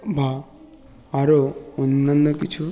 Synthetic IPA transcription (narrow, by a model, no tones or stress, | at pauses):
bʱa | aɾounːanːɔkit͡ʃʰu